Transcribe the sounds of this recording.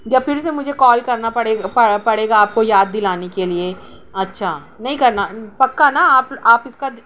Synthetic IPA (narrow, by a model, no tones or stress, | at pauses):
d͡ʒɐbfʰɪɾs̬emʊd͡ʒʱekɔːlkɐɾnapɐɽeːɐpɐɽeːɡaːp̚kojaːd̪ːɪlaːnekelie | ɐtːʃʰaː | nɐɦĩkɐɾnapɐkːanaaːpaːpɪska